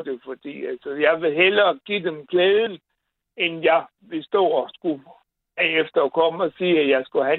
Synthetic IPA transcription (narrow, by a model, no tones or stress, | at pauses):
d̥e̝fɒ̽d̥ḭːælsɐjɑ̈ɪʋe̝ɦelɐːɡ̥id̥emkʰleːð̞ˠn̩ | enjɑ̈ɪ | ʋe̝sd̥ɔ̰̽ːɒsɡ̥u | æefd̥ɐːkʰɒ̽məɒsiːæjɑ̈ɪsɡ̥uhæ